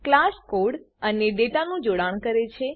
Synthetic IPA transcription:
klaʃkoɖ | əneɖeʈanũd͡ʒoɽaɳ̃kəɾet͡ʃʰe

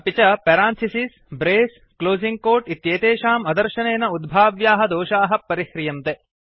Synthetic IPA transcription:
pit͡ʃɐpeɾaːnt̪ʰisis | bɾeːs | kloːziŋɡ̚koːɾʈit̪jeːt̪eːʃaːmɐd̪ɐɾʃɐneːnɐud̪̚bʱaːʋjaːɦɐd̪oːʃaːɦɐpːɐɾihɾijɐmt̪e

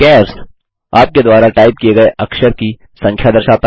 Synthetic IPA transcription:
kɛːɾs | aːp̚ked̪waːɾaʈaːɪp̚kieɡɐeʔɐkʃəɾki | sɐ̃ŋkʰjad̪ɐɾʃaːt̪

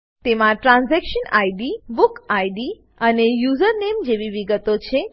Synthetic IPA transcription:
t̪emãʈɾãnzɛkʃənajɖiʋukajɖi | ənejuzəɾnemd͡ʒeʋiʋiɡət̪ot͡ʃʰe

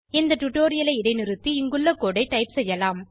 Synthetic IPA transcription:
ɪnd̪ɐʈʊʈoːɾɪjɐlɐɪɪɽɐɪnɪɾɯt̪ːiɪŋɡɯɭːɐkoːɽɐɪʈɐɪpsɛjːɐlaːm

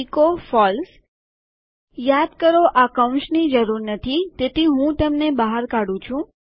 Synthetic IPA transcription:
ikofɔls | jad̪kəɾoʔakəʊ̃ʃnid͡ʒəɾuɾnət̪ʰit̪et̪iɦũt̪əmnebaɦaɾkaɽũt͡ʃʰũ

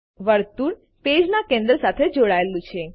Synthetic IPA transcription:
ʋəɾt̪uɳ | ped͡ʒnakẽnd̪ɾəsat̪ʰed͡ʒoɽaelũt͡ʃʰe

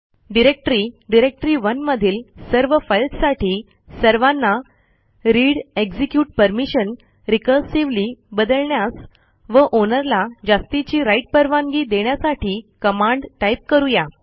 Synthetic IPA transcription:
ɖiɾek̚ʈɾiːɖiɾek̚ʈɾiːʋənməd̪ʱiːlsəɾʋəfəjltsaʈʰiː | səɾʋanːa | ɾiɽeɡd͡zikjuːʈ̚pəɾmiɕən | ɾikəɾsiʋliːbəd̪əlɳjas | ʋəʔonəɾlad͡ʑast̪it͡ɕiːɾaiʈ̚pəɾʋaŋɡiːd̪eɳjasaʈʰiːkəmaɳɖʈajp̚kəɾuja

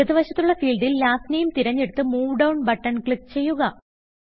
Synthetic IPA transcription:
ɐðɨʋɐɕɐt̪ːuɭːɐfiːlɖilːaːsnejumt̪iɾɐɲːe̞ɽut̪ːɨmuːʋɖɐwɳbɐʈːɐnkɭik̚t͡ɕe̞jːuɣɐ

